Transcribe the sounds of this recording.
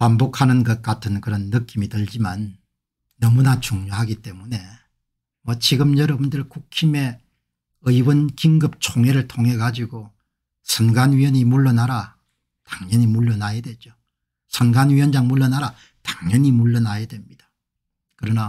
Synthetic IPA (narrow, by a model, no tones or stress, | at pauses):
pambokʰanɯnɡʌt̚k͈atʰɯnkɯɾʌnːɯk͈imitɯʎd͡ʑimanː | ʌmunat͡ɕuŋɲoɦaɡit͈e̞mune̞ | mʌt͡ɕiɡɯmjʌɾʌbundɯɭkukʰime̞ | ɯjwʌnkiŋɡɯp̚t͡ɕʰoŋɦeɾɯɭtʰoŋɦe̞ɡad͡ʑiɡo | sʰʌnɡanɥiʌɲimuɭːʌnaɾa | taŋɲʌɲimuɭːʌnajedwe̞d͡ʑo | sʰʌnɡanɥiʌnd͡ʑaŋmuɭːʌnaɾa | tḁŋɲʌɲimuɭːʌnajedwe̞mɲid̥ḁ | kɯɾʌna